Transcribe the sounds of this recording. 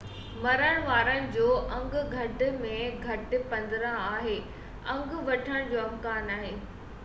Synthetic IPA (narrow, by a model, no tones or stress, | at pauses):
mɐɾəɽ̃ʋaːɾəñɪ̆d͡ʑoːʔɐ̃ŋɡɡʱɐʈ̆mẽɡʱɐʈɪ̆pɐ̃nd̪ɾə̃aːɦeː | ɐ̃ŋɡʋɐʈʰəɽ̃d͡ʑoːɐmkaːnaːɦeː